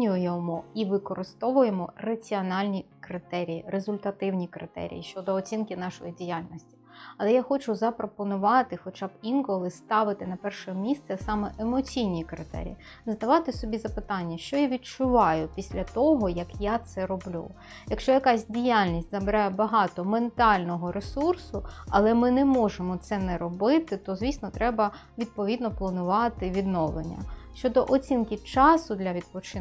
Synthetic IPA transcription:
nʲʊjɔmɔiʋɪkɔɾɪst̪ɔʋʊjemɔrɐt͡sʲiɔnɑlʲnʲikɾɪt̪ɛɾʲijirezʊlʲt̪ɐt̪ɪwnʲikɾɪ̰t̪ɛ̰ɾʲḭjḭʃt͡ʃɔd̪ɔːt͡sʲinkɪnɑʃɔjidʲijalʲnɔsʲtʲi̥ | ɐlˠɛjaxɔt͡ʃʊzɐpɾɔpɔnʊʋɑt̪ɪxɔt͡ʃɑbinkɔlˠɪst̪ɑʋɪt̪ɪnɐpɛrʃɛmʲist̪sɛsɑmɛʔemɔt͡sʲijnʲikɾɪ̰t̪ɛ̰ɾʲḭji | zd̪ɐʋɑt̪ɪsɔbʲizɐpɪt̪ɑnʲːɐʃt͡ʃɔjaʋʲid̚t͡ʃʊʋɑjʊpʲisʲlʲɐt̪ɔɦɔjɐkjat̪sɛɾɔblʲṵ | jɐkʃt͡ʃɔjɐkɑsʲdʲijalʲnʲisʲtʲzɐbɪɾɑjɛbɐɦɑt̪ɔment̪ɑlʲnɔɦɔɾesursʊɐlˠɛmɪnɛmɔʒemɔt̪sɛnɛɾɔbɪt̪ɪt̪ɔzʲʋʲisnɔt̪ɾɛbɐ | ʋʲid̪̚pɔʋʲid̪nɔplˠɐnʊʋɑt̪ɪʋʲid̪nɔʋlḛnʲːɐ̰ʃt͡ʃɔd̪ɔʔɔt͡sʲinkʲit͡ʃɑsʊd̪lʲɐʋʲid̪̚pɔt͡ʃɪ

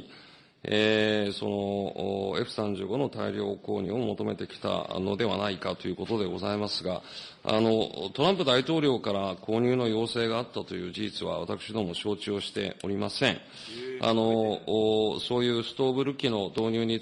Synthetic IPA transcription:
eso̞no̞ː | e̞ɸɯ̟̥sãɲ̟d͡ʑɨːɡo̞no̞t̪aiɾʲo̞ːko̞ːɲ̟ɨ̰ːomo̞t̪o̞me̞t̪e̞kʲi̥t̪a̰no̞d̪e̞βanaikat̪o̞jɯ̟ːko̞t̪o̞d̪e̞ɡo̞zaimasɨɡa̰ | a̰no̞t̪o̞ɾãmpɯ̟d̪ait̪o̞ːɾʲo̞ːkaɾako̞ːɲ̟ʲɨːno̞jo̞ːse̞ːɡaːt̪ːat̪o̞jɯ̟ːʑiʑit͡sɨβa̰βat̪akɯ̟ɕid̪o̞mo̞ɕo̞ːt͡ɕɨoɕi̥t̪e̞̰o̞ɾʲimasẽ̞ɴ̃ | a̰no̞ | so̞ːjɯ̟ːsɨ̥t̪o̞ːbɯ̟ɾɯ̟kʲino̞d̪o̞ːɲ̟ʲɨːɲ̟i

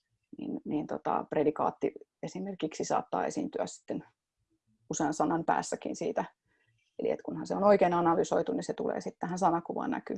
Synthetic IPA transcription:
nḭnnint̪ot̪ɑ̰predikɑ̰ːt̪ːiesimerkiksisɑ̰ːt̪ːɑ̰ːesint̪yæssi̥t̪ːen | useɑnsɑnɑmpæ̰ːsːækḭnsiːt̪æ | elḭḛt̪kunhɑnseonoikeːnɑnɑlysoit̪uniset̪ulḛːsit̪t̪æhænsɑnɑkuʋɑ̰ːnæ̰ky

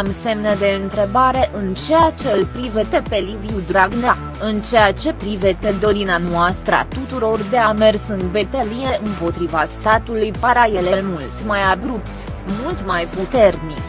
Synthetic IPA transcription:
mse̞mnəd̪e̞ɨnt̪ɾe̞baɾe̞ʔɨnt͡ʃe̞jat͡ʃe̞lpɾivet̪epe̞liviud̪ɾaɡna | ɨnt͡ʃejat͡ʃe̞pɾivet̪ed̪o̞ɾineanoast̪ɾəa̰t̪ut̪uɾo̞rd̪e̞ame̞rsɨnbe̞t̪elie̞ʔɨmpo̞t̪ɾivast̪at̪ulujpaɾajelelmult̪majabɾup̚t̪ | mult̪majput̪e̞rnik

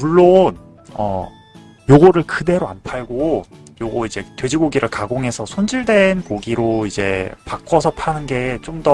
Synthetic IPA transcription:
muɭːon | ʌ̰ | joɡʌɾɯɭkɯde̞ɾoa̰npʰaɭɡo | joɡʌid͡ʑe̞twe̞d͡ʑiɡoɡiɾɯɭkaɡoŋɦe̞sʰʌsʰond͡ʑiɭdwe̞nkoɡiɾoid͡ʑe̞pak͈ʌsʰʌpʰanɯnɡe̞ːt͡ɕomdʌ

